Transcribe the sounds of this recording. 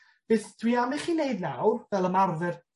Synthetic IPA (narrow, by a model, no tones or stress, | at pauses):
b̥ɨθtʰwiamiχiːneɨdna̰wrvɛlˠəmarðɛr